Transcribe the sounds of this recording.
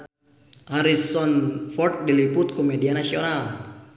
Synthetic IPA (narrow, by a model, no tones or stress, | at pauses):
haɾisɔnfɔrt̪̚diliput̪̚kɔmɛdianasiɔnal